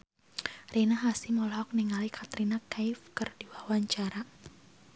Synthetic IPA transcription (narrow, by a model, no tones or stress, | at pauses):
rinaɦasimɔlhɔk̚niŋalikʰat̪ɾinakajfkərd̥iwawaɲt͡ʃaɾa